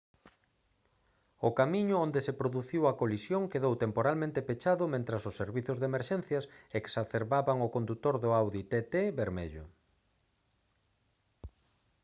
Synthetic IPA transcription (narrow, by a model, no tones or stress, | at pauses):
ʊkamiɲʊond̪esepɾoðuθiwɐkolisjoŋkeðowt̪empoɾalmẽnt̪epet͡ʃaðʊmẽnt̪ɾɐsʊsːeɾβiθʊzðemeɾʃɛn̟θjɐseksaθeɾβaβaŋʊkond̪ut̪oɾðʊawðit̪et̪eβeɾmḛʎʊ̰